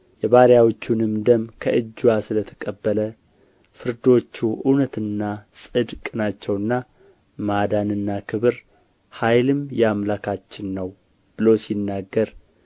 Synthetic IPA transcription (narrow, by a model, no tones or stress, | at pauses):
jɛβaɾjawot͡ʃːunɨmd̪əmkʰəʔɨd͡ʒːuwasɨlət̪ʰə̥kʼəbːələ | fɨɾd̪o̞t͡ʃːuʔɨnət̪ɨnːasʼɨd̪kʼɨnat͡ʃːɛwɨnːa | mad̪anɨnːakʰɨβɨɾ | hajlɨmjɛamlakʰat͡ʃːɪnːəw | b̥ɨlo̞sinːaɡːəɾ